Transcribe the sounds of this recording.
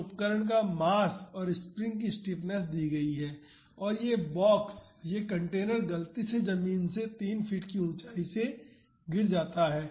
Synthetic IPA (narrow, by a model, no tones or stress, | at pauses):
ʊpkəɾəɽ̃k̬amaːsɔːɾɪspɾɪ̃ŋɡk̬isʈiːpnɛs̬d̪iːɡɐiɦɛː | ɔːɾjebɔːksjekɐ̃ɳʈeːnəɾɡɐlt̪ised͡ʒɐmiːnset̪iːnfʰiːʈkiʊ̃ːt͡ʃaːise | ɡɪɾd͡ʒaːt̪aɦɛː